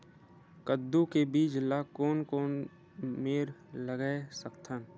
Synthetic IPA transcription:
kəd̪ːukebiːd͡ʒlakoːnkoːn | meːɾləɡɛsəkt̪ʰən

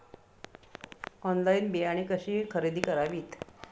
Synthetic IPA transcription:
ɔnlainbeaɽ̃ikəɕiːkʰəɾid̪iːkəɾaʋiːt̪

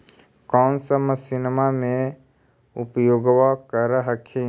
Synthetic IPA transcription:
kɔːnsəməsɪnmamẽ | ʊpjoːɡʋakəɾəɦəkʰe

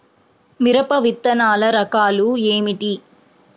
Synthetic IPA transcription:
miɾɐpɐʋit̪ːɐnaːlɐɾɐkaːlueːmiʈi

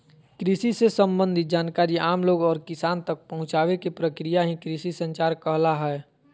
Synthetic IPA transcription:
kɾisisesə̃mbə̃nd̪ʱɪt̪̚d͡ʒaːnkaːɾiʔaːmloːɡɔːɾkɪsaːnt̪ək̚pɐɦʊ̃t͡ʃaːʋekepɾəkɾijaɦĩkɾisisə̃nt͡ʃaːɾkəɦlaɦɛː

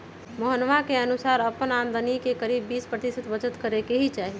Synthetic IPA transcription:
məɦənʋakeənusaːɾəpənaːnd̪ənikekəɾiːbːiːspɾət̪isət̪ʋət͡ʃət̪kəɾekeɦit͡ʃaːɦi

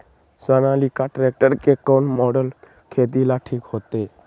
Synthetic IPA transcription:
sanalikaʈɾek̚ʈəɾkekɔnmɔɖəl | kʰeːt̪ilaʈʰiːkɦot̪e

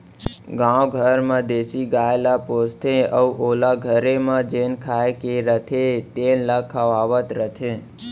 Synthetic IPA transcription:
ɡãwɡʱəɾmãd̪esiɡaelapost̪ʰẽəuʔolaɡʱəɾemãd͡ʒenkʰaekeɾət̪ʰet̪eləkʰəʋaʋət̪ɾət̪ʰẽ

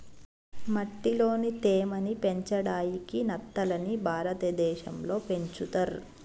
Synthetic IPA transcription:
mɐʈːilo̞ːnit̪eːmɐnipeɲt͡ʃɐɽaːjikinɐt̪ːɐlɐnibʱaːɾɐt̪ɐd̪ɛːʃɐ̰mlo̞ːpe̞ɲt͡ʃut̪ɐɾ

